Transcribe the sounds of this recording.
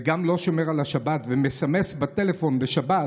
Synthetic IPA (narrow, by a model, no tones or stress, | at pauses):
ɡamlo̞ʃo̞meʁalaʃabat̪vemesamesbat̪elefo̞nbeʃaba